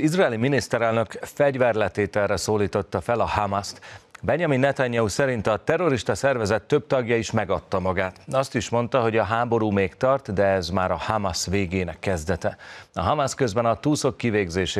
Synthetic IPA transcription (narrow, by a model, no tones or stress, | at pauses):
izraɛːliminist̪ɛɾɛlnø̞kfɛɟvɛrlɛt̪eːt̪ɛlrɛsoːliːt̪o̞t̪ːɒfɛlɒhamast̪bɛɲɒminːɛt̪aɲːɒusɛɾint̪ɒt̪ɛro̞ɾiʃt̪ɒsɛrvɛzɛt̪ːøb̚t̪ɒɡjɒiʃmɛɡɒt̪ːɒmɒɡaːt̪ɒst̪iʃmo̞nt̪ɒɦo̞ɟɒɦaːbo̞ɾuːmeːkt̪ɒrt̪d̪ɛɛzmaːɾɒhamasʋeːɡeːnɛkːɛzd̪ɛt̪ɛɒɦɒmaskøzbɛnɒt̪uːso̞kːiveːɡzeːʃe